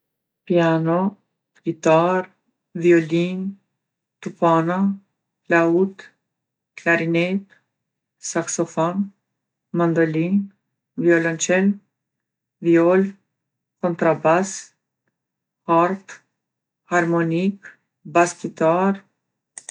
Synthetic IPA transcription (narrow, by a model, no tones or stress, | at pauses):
pianɔ | vit̪aɾ | vjɔlin | t̪upana | laut̪ | klaɾinɛt̪ | saksɔfɔn | mand̪ɔlin | vjɔlɔnt͡ʃɛl | vjɔl | kɔnt̪ɾabas | haɾt̪ | haɾmɔnik | bast̪it̪aɾ